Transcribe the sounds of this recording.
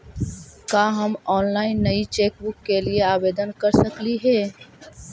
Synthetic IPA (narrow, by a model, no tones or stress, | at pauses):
kaːɦɐmɔːnlaːɪnːɐit͡ʃeːk̚bʊkːelieaːbeːd̪ənkɐɾsɐkliɦɛː